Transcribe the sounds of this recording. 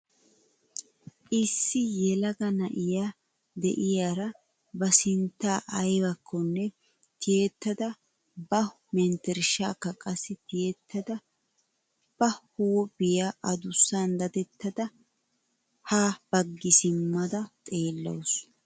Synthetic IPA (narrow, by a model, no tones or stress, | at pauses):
ʔɪsːɪjɛlɐɡɐnɐʔɪjaː | d̪ɛ̰ʔɪjaːɾɐ | bɐsɪnt̪ːaːʔɐjbɐkːɔnːɛ | t̪ʰɪjet̪ːɐd̪ɐ | bɐ | mɛnt̪ɛɾɪʃa̰ːkːɐkʼɐsːɪt̪ɪjet̪ːɐd̪ɐ | b̥ɐhuːbɪjaːʔɐd̪ʊsːand̪ɐd̪ɛt̪ːɐd̪ɐ | hab̥ɐɡːɪsɪmːɐd̪ɐt̪ʼe̞ːlːɐ̰ws